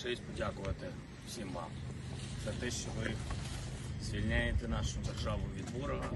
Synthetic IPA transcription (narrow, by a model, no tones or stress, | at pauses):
ʂɛsʲtʲpɔdʲakʊʋɐt̪ɪ | fsʲimva̰mz̥ɐt̪ɛʃt͡ʃɔʋɪ | zʲʋʲilʲnʲajet̪ɛnɑʂʊd̪erʐɑʋʊʋʲid̪ʋɔɾɔɦɐ